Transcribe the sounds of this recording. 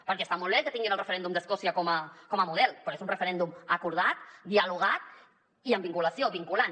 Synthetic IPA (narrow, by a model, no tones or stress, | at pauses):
pəɾkɛst̪amɔlˠβɛkət̪iŋɡinəlˠrəfəɾɛnd̪umd̪əskɔsiəkɔməkɔməmuð̞ɛlˠpɾoezunrəfəɾɛnd̪uməkuɾð̞at̪d̪iəluɣ̞at̪̚ | iəmbiŋkuləsioβiŋkulan